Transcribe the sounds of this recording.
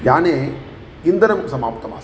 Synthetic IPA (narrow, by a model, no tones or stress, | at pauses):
jaːneː | ind̪ɐnɐmsɐmaːp̚t̪ɐma̰ːs